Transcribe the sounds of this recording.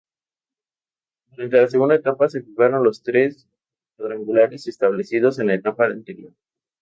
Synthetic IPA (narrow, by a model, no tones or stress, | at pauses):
d̪uɾant̪e̞las̬e̞ɣund̪aet̪apase̞fikaɾo̞nlo̞st̪ɾes | kwaðɾaŋɡulaɾe̞sest̪aβle̞sið̞o̞se̞nlaet̪apaant̪e̞ɾjo̞ɾ